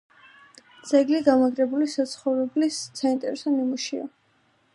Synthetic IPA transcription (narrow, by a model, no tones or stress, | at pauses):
d̪z̥ɛɡliɡamaɡɾɛbulisat̪sʰχɔvɾɛblisːaint̪ʼɛɾɛsɔnimuʃia̰